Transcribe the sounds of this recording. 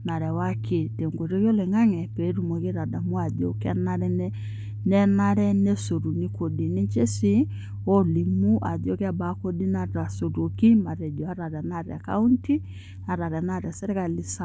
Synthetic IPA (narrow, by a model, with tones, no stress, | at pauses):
na˨ɾɛ˨wa˦ke˨te˨ŋɡo˨ɾo˦ko˦le˨ŋa˦ŋɛ˨pe˨˦ɾu˦˨mo˨ke˦ɾa˨da˨mu˦a˨do̰˨ka˦na˦ɾɛ˦n˦ | nɛ˦na˦ɾɛ˦ne˦so˨ɾu˨ni˦ko˨di˨ne˦t͡ʃe˦si˦ | o˦li˨mu˦ʔa̰˨ðo˨˦ka˦˨ba˨ko˦di˦na˦˨˦a˨so˨ɾo˨ki˦ma˨ɾɛ˨d͡ʒɔ˨a˦ɾa˨ɾa˨na˦˨ɾa̰˨ka̰˦u˦nti˦ | a˨ɾa˨ɾɛ˨na˦˨ɾa˨sɛ˦ɾɛ˦ka˨li˨sa˨